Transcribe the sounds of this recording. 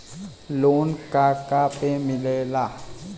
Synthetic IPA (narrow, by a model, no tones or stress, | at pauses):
loːnkaːkapemɪleːlaː